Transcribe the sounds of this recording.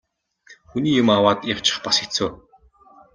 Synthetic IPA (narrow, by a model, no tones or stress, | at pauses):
xuniːjʊmawaːt̪jaw̥t͡ɕɪ̥̆χpasxet͡soː